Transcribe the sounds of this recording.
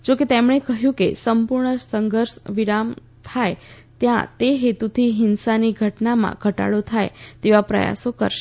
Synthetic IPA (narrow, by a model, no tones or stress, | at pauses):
d͡ʒoket̪emɳ̃ekəɦjũkḛsəmpuɾɳəsəŋɡʱəɾʃʋiɾam | t̪ʰaj | t̪jã̰t̪eɦet̪ut̪ʰiɦɪnsaniɡʱəʈnamã̰ɡʱəʈa̰ɽot̪ʰajt̪eʋapɾə̰ja̰sokə̰ɾʃe